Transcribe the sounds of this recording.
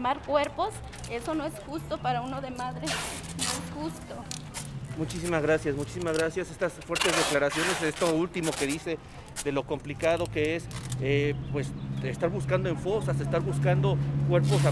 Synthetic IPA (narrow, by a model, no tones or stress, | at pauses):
maɾkwe̞ɾpos | e̞so̞noesxust̪o̞paɾaunoðemaðɾenoesxust̪o | mut͡ʃisimazɣɾasjasmut͡ʃi̥simazɣɾasjase̞st̪asfwe̞ɾt̪e̞zðeklaɾasjo̞ne̞sest̪oult̪imo̞ke̞ðise̞ | ðe̞lo̞ko̞mplikaðoke̞esepwe̞sest̪aɾβuskand̪oeɱfo̞sasest̪aɾβuskand̪o̞kwe̞ɾpo̞sa